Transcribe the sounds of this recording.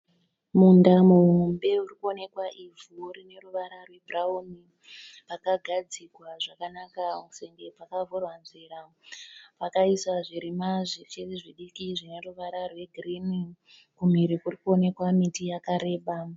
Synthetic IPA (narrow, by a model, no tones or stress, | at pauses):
mundamuɦumbe̞urikuo̞ne̞kwaʔivuːrine̞ruʋaɾarwe̞bʱrauni | pakaɡʱad͡zikwaʐakanakaseŋɡepakavorwanzera | pakaiswaʐiɾimaʐit͡ʃeriʐiɗikiʐine̞ruʋaɾarwe̞ɡʱirini | kum̤iɾikurikuo̞ne̞kwamitijakaɾe̞ːɓa